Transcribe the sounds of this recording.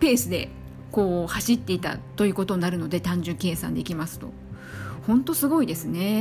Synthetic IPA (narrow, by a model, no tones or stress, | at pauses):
pe̞ːsɨd̪e̞ | ko̞ːhaɕit̪ːe̞it̪a̰t̪o̞jɯ̟ko̞t̪o̞ɲ̟naɾɯ̟no̞d̪e̞t̪ãɲ̟d͡ʑɨke̞ːsã̰nd̪e̞ikʲimasɨ̥t̪o̞̰ | hõ̞nt̪o̞sɨɡo̞id̪e̞sɨne̞